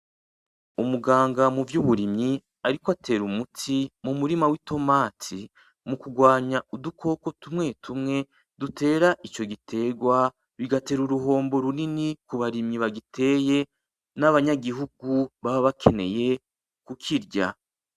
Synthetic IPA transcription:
umuɡaːŋɡamuvjuβuɾimɲi | aɾikoatʰe̞ːɾumutʰimumuɾimawito̞maːtʰi | mukuɡwaːɲaudukʰo̞ːko̞tumŋe̞tʰumŋe̞ | dutʰe̞ːɾait͡ʃo̞ɡitʰe̞ɡwa | βiɡate̞ɾuɾuɦo̞ːmbo̞ɾuninikuβaɾimɲiβaɡitʰe̞ːje̞ | naβaɲaɡiɦuɡuβaβaβakʰe̞ne̞̰je̞ | kukʰiɾɟa̰

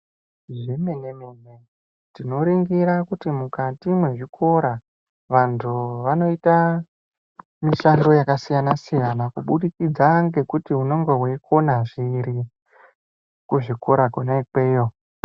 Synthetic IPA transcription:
ʐeme̞nemeːne̞ | tino̞ɾiŋɡiɾakutimukatimwe̞ʐikʰo̞ɾa | ʋantʰuʋano̞ita | miʃando̞jakasijanasijanakuɓuɗikid͡zaŋɡe̞kutiuno̞ŋɡeɦwe̞kʰo̞naʐiɾi | kuʐikoɾakonaikwe̞ːjo

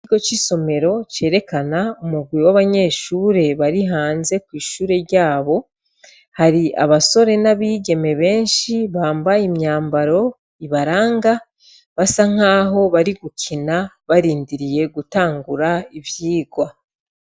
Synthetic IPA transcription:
iɡo̞t͡ʃiso̞me̞ɾo̞t͡ʃe̞ːɾe̞kanaumuɡwiwaβaɲe̞ʃuːɾe̞βaɾiɦaːnze̞kwiːʃuːɾe̞ɾjaːβo̞ | haɾiʔa̰βaso̞ɾe̞naβiːɡe̞me̞βe̞ːnʃiβaːmbajimɲaːmbaɾo̞ | iβaɾaːŋɡa | βasaŋ̥aːɦo̞βaɾiɡukʰina | βaɾiːndiɾije̞ɡutaːŋɡuɾaivjiːɡwa

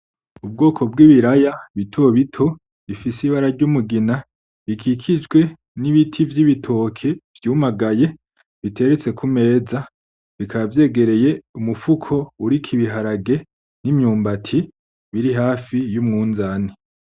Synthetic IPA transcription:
ub̚ɡo̞ːkʰo̞b̚ɡiːβiɾajaβitʰo̞βitʰo̞ | βifisiβaɾaɾɟumuɡina | βikʰikʰid͡ʒɡwe̞ | niβitʰivjiβitʰo̞kʰe̞v̥juːmaɡaje̞ | βitʰe̞ɾet͡se̞kʰume̞ːza | βikaβavje̞ːɡe̞ɾe̞je̞umufukʰo̞uɾikʰiβiɦaɾaɡe̞ | nimɲuːmbatʰi | βiɾiɦaːfijumŋuːnzaːni

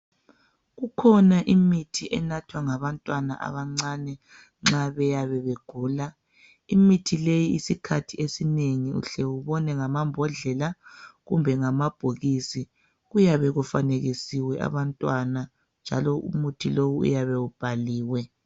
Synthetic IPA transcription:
ɣukʰɔnaʔimitʰiʔɛnatʰwaŋaβantʼwana̰ʔa̰βaŋ͡ǀanɛ | ŋ͡ǁaβɛjaβɛβeɡ̥ʱuːla | imitʰilejiisikʰatʰiesineŋiṵɬɛuβɔnɛŋamambʱɔɮɛlaɣumbʱɛŋamab̥ʱoɣisi | ɣujaβɛɣufaneɣisiwɛʔa̰βantʼwana | nd͡ʒʱalɔṵmutʰilowuṵjaβɛub̥ʱaliːwɛ

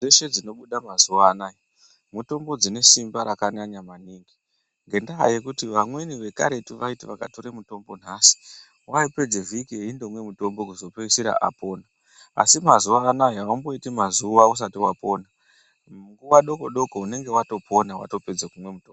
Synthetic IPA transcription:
d͡zeʃe̞d͡zino̞ɓuɗamazuʋaːnaji | muto̞mbod͡zine̞simbaɾakaɲaɲamaniːŋɡi | ŋɡe̞ndaɦa̰je̞kutiʋamwe̞niʋe̞ka̰ɾe̞tiʋaitiʋaka̰to̞ɾemuto̞mbo̞n̤aːsi̥ | waipe̞d͡zevikieindo̞mwe̞muto̞mbo̞kuzo̞peisiɾa̰ʔa̰po̞ːna̰ː | simazuʋaːnajaambo̞itimazuʋaus̬atiwapo̞ːna | ŋɡuwaɗo̞koɗo̞koune̞ŋɡe̞wato̞pʰo̞nawa̰to̞pe̞d͡zekumwe̞mutoːmb

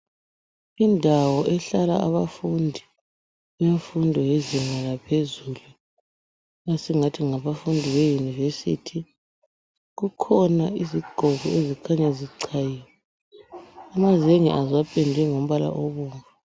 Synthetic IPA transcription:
indʱawɔʔɛɬalaaβafundʱi | βeɱfundʱɔjezɛŋalapʰezulu | asiŋatʰiŋaβafundʱiβejunivesḭtʰi | ɣukʰɔnaiziɡ͡ǃʱɔɣɔezikʰaɲaziǀʰajiwɛ | amazeŋḭʔazwapʰʼɛndʱɛŋom̩βala̰ʔɔβuːɱva

